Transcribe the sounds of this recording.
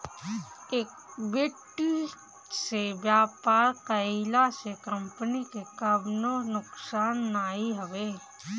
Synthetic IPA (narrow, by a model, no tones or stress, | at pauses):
eːk | bɪʈːi | sebjaːpaːɾqəilasekə̃mpənikekəbnonʊksaːnːaːiɦəʋeː